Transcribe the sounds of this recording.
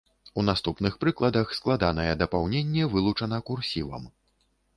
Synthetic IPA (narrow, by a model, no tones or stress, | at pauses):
unast̪upnɨxpɾɨklˠɐd̪ɐxsklˠad̪anɐjɛd̪ɐpawnʲenʲːɛvɨlˠut͡ʂɐnɐkursʲivɐ̰m